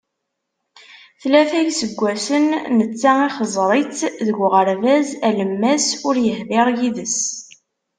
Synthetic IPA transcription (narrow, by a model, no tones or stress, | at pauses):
θlæθæjsəɡʷːæsənnət͡sːaiχəzˤɾˤɪt͡sðəɡʷʁəɾvæzæləmːæsʊɾjəhvɪɾjiðəs